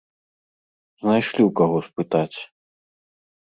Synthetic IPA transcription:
znajʂlʲiwkaɣɔspɨt̪at͡sʲ

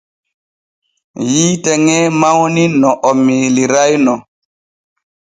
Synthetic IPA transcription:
jiːtɛŋɛmawninɔʔɔmiːliɾajnɔ

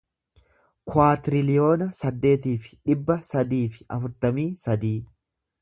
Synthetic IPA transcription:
kwaːt̪ɪɾɪlɪjo̞ːnɐsɐd̪ːe̞ːt̪iːfɪ̥ᶑɪbːɐsɐd̪iːfɪ̥ʔɐ̰fʊɾt̪ɐmiːsɐd̪iː

